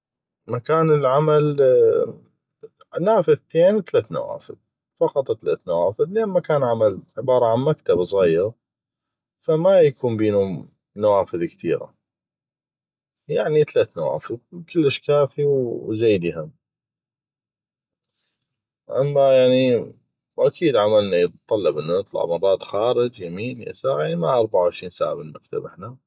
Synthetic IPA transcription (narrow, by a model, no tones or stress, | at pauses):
makaːnəlʕamal | naːfɪðt̪eːnt̪alaːt̪na̰wa̰ːfɪ̰ð | fɑqɑt̪ˤt̪ːala̰ːt̪nawaːfɪðleːnmakaːnʕamalʕɪbɑːɾˤɑʕanmakt̪absˤɣiːəɣ | famajakuːmbiːnʊm | nawaːfɪðkt̪ḭːɾa̰ | jaʕnit̪alaːt̪nawa̰ːfəðkəlːəʃkaːfiwzajd̪iham | ʔamːajaʕni | wʔakʰiːd̪ʕamalnajt̪ˤːɑlːɪbʔɪnːunɨt̪ˤlɑ̰ʕmɑrˤːɑːt̪xaːɾɪd͡ʒjamiːnja̰saːʕamaʔɑɾˤbaʕʊʕɪʃɾiːnsa̰ːʕabɪlmak̚t̪a̰bʔɪħna